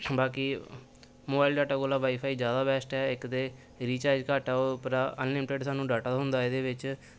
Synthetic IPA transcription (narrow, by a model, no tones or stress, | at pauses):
baːkiː | moːbaːilɖaːʈaːkoːlaːʋaːiːpʰaːiːzjaːd̪aːbɛːsʈɛːɪkt̪eː | ɾiːt͡ʃaːɾd͡ʒkaːʈɛːoːpɾaːʔənlɪmɪʈeɖsaːnũːɖaːʈaːɦʊnd̪aːɪd̪eːʋɪt͡ʃ